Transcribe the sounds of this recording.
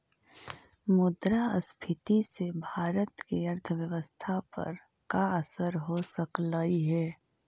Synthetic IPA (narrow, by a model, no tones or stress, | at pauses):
mʊd̪ɾaəspʰɪt̪isebʱaːɾət̪kiəɾt̪ʰəʋjəʋəst̪ʰapɐ̰ɾ | kaəsəɾɦosəkləiɦɛː